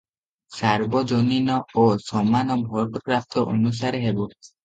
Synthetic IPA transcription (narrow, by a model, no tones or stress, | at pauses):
saɾbɔd͡ʒoninɔosɔmanɔbʱɔɾʈɔkɾaft̪ʰɔʔo̰nus̬aɾeɦebɔ